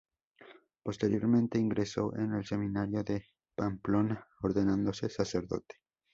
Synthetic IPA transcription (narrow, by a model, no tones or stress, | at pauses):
po̞st̪e̞ɾjo̞ɾmẽnt̪e̞iŋɡɾe̞so̞ʔenelse̞mĩnaɾjo̞ðe̞ | pamplo̞naoɾðe̞nãnd̪o̞se̞sase̞ɾðo̞̰t̪e̥